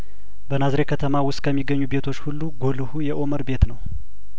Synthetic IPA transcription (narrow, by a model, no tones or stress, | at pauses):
bənazɾe̞kʰət̪ʰəmawʊst̪̚kʰəmːiɡəɲːube̞t̪ʰo̞t͡ʃːhulːuɡo̞lɨhujɛʔo̞məɾbet̪nəw